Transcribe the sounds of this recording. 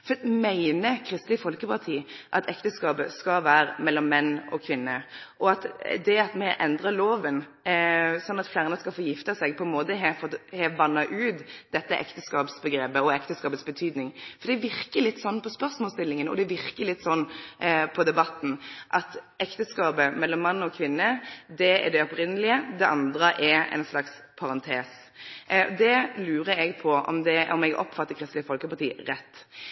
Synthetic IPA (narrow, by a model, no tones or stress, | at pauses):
fmæɪnəkʰɾɪst̪lɪfɔlkəpʰɑʁt̪ʰiːʔɑ̰t̪ʰɛkt̪əskɑːpəskɑʋæːɾəmɛlːɔmːɛnːɔ̰kʰʋɪnːəʔɔɑt̪d̪ɛɑt̪mɛʔɛnd̪ʁəloːʋən | sɔnːɑt̪flæːʁnəskɑlfɔjɪft̪əsɛɡ̚pʰɔɛnmoːt̪əɦɛfɔt̪hɛʋɑnːɑʔʉːt̪d̪̥ɛt̪ːəʔɛ̰kt̪əskɑːpsbəɡɾeːpəɔɛkt̪əskɑːpət̪sbət̪ʰyːd̪nɪŋfɔd̪ɛʋɪɾkəlɪt̪ːsɔnːpʰɔspœɾsmɔlst̪ɪlːɪŋənɔ̰d̪ɛʋɪɾkəlɪt̪ːsɔnːpʰɔd̪ɛbɑt̪ːn̩ʔɑt̪ʔɛkt̪əskɑːbəmɛlːɔmːɑnːɔkʰʋɪnːəd̪ɛɛ̰ɖ̪ɛɔpɾɪnːəlɪəd̪ɛʔɑnd̪ɾəʔɛɾɛ̰ɪnslɑks | pʰɑɾɑnt̪ʰeːs | d̪ɛlʉːɾəɛɡpʰɔɔ̰md̪ɛɔmɛɡɔ̰pfɑt̪ːəkʰɾɪst̪lɪəfɔlkəpɑʁt̪ʰḭːɾɛt̪ː